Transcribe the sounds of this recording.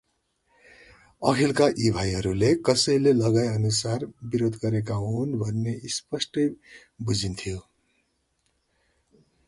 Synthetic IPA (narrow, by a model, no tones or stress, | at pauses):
ʌkʰilkaʔibʱajɦʌɾulekʌsʌjlelʌɡajʌnusarbiɾod̪ʱɡʌɾek̬aɦunbʱʌnːeispʌsʈʌj | bud͡zint̪ʰijo